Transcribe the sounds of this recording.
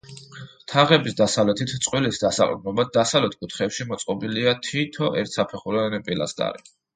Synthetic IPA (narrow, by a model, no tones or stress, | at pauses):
t̪ʰaʁɛbisd̪asavlɛt̪ʰit̪ʰt̪sʼqʼwilisd̪asa̰lʼmɛmad̪̚d̪asavlɛt̪̚ʰkʼut̪ʰχɛpʃimɔt̪sʼqʼɔbiliat̪ʰit̪ʰɔʔɛɾt̪ʰsapʰɛχuɾɛnɛpʼila̰st̪ʼa̰ɾḭ